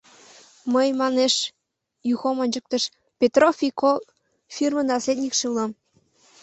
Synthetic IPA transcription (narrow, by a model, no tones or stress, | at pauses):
məjmɑneʃ | juxomɤnʲt͡ɕək̚t̪əʃ | pʲet̪rofʲiko | fʲirmənɑslʲed̪ʲnʲikʃeulɑm